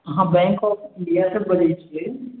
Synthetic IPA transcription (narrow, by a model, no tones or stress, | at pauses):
ɦãbɛ̃ŋkɔːfɪ̃ɳɖijasebɐlet͡ʃʰie